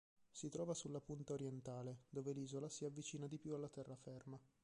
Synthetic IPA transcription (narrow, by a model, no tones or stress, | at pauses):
sit̪ɾɔːvasulːapunt̪aoɾjɛnt̪aːled̪oːveliːzolasiavːit͡ʃiːnad̪ipjualːat̪ɛrːafɛrma